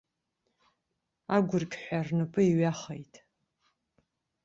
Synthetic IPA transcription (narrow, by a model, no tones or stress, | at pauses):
aɡʷʊrkʲʼħʷarnɨpʼɨiɥaχejtʼ